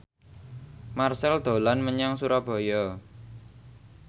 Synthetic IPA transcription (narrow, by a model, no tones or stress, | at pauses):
marsɛld̪̥o̤lanməɲaŋsuɾab̥ɔ̤jɔ